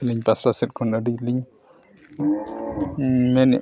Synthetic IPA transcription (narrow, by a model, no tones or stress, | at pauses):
liɲpasɾasɛt̚kʰɔnədic̚liɲ | mɛnɛ